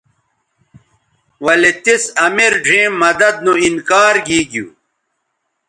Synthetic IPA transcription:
wɐlet̪isɐmiɾɖʱĩːmːɐd̪ɐd̪̚nuinkaːɾɡiːɡjṵː

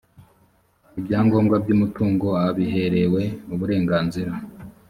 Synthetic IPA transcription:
ibjaːŋɡo̞ːmɡabɟuːmutuːŋɡo̞aβiɦe̞ɾe̞we̞uβuɾe̞ːŋɡaːnziɾa

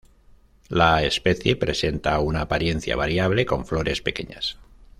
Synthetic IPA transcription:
laespe̞θje̞pɾe̞se̞nt̪aunaːpaɾje̞n̟θja̰βaɾjaβ̞le̞ko̞ɱflo̞ɾʔe̞spe̞ke̞ɲas

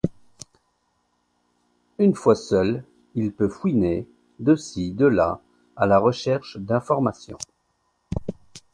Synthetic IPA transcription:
ynfwasœl | ilpøfwine | d̪əsid̪əla̰ | alaʁəʃɛʁʃd̪ɛ̃fɔʁmasjɔ̰̃

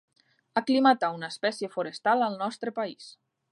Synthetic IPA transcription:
aklimat̪aunəːspɛsjəfuɾəst̪alˠəlˠnɔst̪ɾəpais

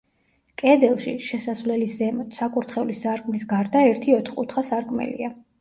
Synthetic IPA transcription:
kʼɛd̪ɛlˠʃiʃɛsasvlɛliszɛmɔt̪sakʼuɾt̪ʰχɛulisːaɾkʼmlisɡaɾd̪aɛɾt̪ʰiɔt̪ʰχʼṵt̪ʰχasaɾkʼmɛ̰lḭa

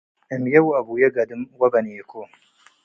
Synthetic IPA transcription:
ɪmjɐwuɐbujeɡɐd̪ɨmwɐbɐniekʰo

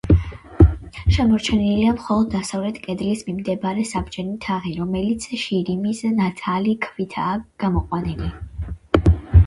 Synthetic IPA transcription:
ʃɛmɔɾt͡ʃʰɛniliamχɔlˠɔd̪ːasavlɛt̪ʰkʼɛd̪lismimd̪ɛbaɾɛsabd͡ʒʼɛnit̪ʰaʁiɾɔmɛlit̪sʰʃiɾimisnat̪ʰalikʰvit̪ʰaːɡ̥amɔqʼwanili

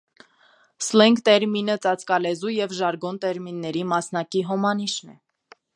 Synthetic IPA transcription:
slɛŋɡt̪ɛɾminət͡sɑt͡skɑlɛzujɛvʒɑɾɡɔnt̪ɛɾminːɛɾimɑsnɑkiɦɔmɑniʃnɛ̰

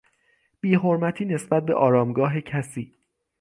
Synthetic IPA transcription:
b̥iːɦo̞ɾmæt̪ʰiːne̞sbæt̪̚be̞̰ʔɒːɾɒːmɡɒːɦe̞cʰæsiː

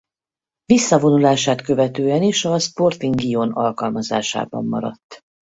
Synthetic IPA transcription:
visːɒvo̞nulaːʃaːt̪kø̞vɛt̪øːɛniʃɒspo̞rt̪iŋɡionɒlkɒlmɒza̰ːʃa̰ːbɒ̰mːɒ̰ɾɒ̰t̪ː

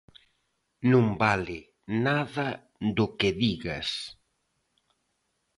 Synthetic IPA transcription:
nũmbalɪ | naðɐ | d̪ʊkɪðiɣa̰s

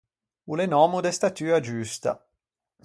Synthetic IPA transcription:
ulenɔːmud̪est̪at̪yːad͡ʒust̪a̰

